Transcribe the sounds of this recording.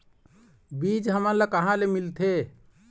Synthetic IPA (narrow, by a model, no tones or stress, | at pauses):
bid͡ʒɦəməɾləkəɦãlemilt̪ʰe